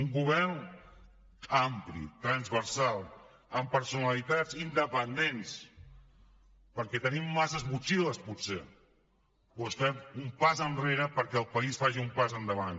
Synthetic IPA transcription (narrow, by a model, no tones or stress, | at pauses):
uŋɡuβɛɾn | amplḭt̪ɾənzβəɾsalˠ | əmpəɾsunalit̪ad͡zind̪əpənd̪ens | pəɾkɛt̪ənimːasəzβut͡ʃiləspuse | osfɛmumpazənreɾəpəɾkɛːlˠpəisfaʒiumpazənd̪əβan